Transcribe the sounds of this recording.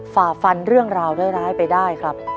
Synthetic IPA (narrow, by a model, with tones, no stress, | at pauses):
faː˨˩fa˧nɾɯ˥˩əŋɾaː˧wda˥˩ɾaː˦˥jpa˧jdaː˥˩jkʰɾa˦˥p̚